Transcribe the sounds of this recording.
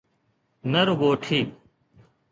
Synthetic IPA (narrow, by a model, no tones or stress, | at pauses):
nɐɾʊɡoːʈʰiː